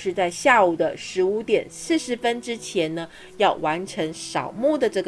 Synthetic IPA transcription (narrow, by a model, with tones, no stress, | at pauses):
ʂɻ̩˥˧t͡sa˥˧ɪɕja˥˩u˨˩d̪ə˦ʂɻ̩˧˥u˧˥t̪jɛ˨˩nsɹ̩˥˩ʂɻ̩˧˥fə˥nʈ͡ʂɻ̩˥t͡ɕʰjɛ˧˥nnə˧ | jɑ˥˩ʊwa˧˥nʈ͡ʂʰɤ˧˥ŋʂɑ˨˩ʊmu˥˩d̪ə˨ʈ͡ʂɤ˥˩ɡ